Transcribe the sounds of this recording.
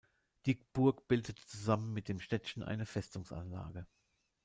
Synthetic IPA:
d̥ikb̥ʊɐkb̥ɪldətt͡suzamənmɪt̚d̥eːmʃtɛtçn̩ʔa̰ɪnəfɛstʊŋsa̰nla̰ːɡə

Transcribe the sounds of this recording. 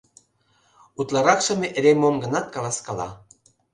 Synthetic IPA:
ut̪lˠɑɾɑkʃə̆meʔeɾemomɡə̆nɑt̪̚kɑlɑskɑlɑ̰

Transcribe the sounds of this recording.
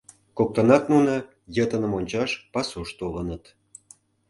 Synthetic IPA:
kok̚t̪ənɑt̪nunə | jət̪ənəmonʲt͡ɕɑʃpɑsuʃt̪olənət̪

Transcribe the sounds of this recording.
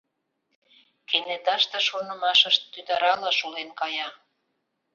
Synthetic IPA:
kenet̪ɑʃt̪ə̆ʃonə̆mɑʃəʃt̪ːyd̪ɑɾɑlɑʃulenkɑjɑ

